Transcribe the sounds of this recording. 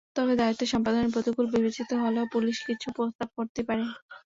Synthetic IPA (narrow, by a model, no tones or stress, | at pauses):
t̪ɔbed̪ait̪ːoʃɔmpad̪oneɾpɾot̪ikulbibet͡ɕit̪oɦoleopuliʃkit͡ɕʰupɾost̪ab̚koɾt̪epaɾe